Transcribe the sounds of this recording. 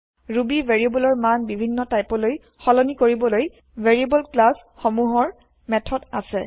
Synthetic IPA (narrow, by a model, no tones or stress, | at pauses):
ɹubivʱeɹiebɔlɔɹmanbibʱinːɔtajpɔloj | xɔlɔnikoɹibɔloj | vʱeɹiebɔlklas | xɔmuɦɔɹ | mɛtʰɔdasɛ